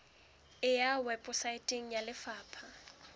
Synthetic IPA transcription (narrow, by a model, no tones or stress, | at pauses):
ɪjawɛpʼʊsaɪtʼɪŋ̩jalɪfaːpʰa